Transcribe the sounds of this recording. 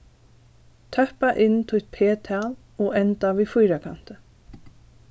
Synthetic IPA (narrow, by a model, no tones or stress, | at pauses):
t̪ʰœhpaʔɪnt̪ʰut̪̚pʰeːt̪ʰɛːl | ɔɣɛnt̪avifujɾakʰa̰n̥t̪ɪ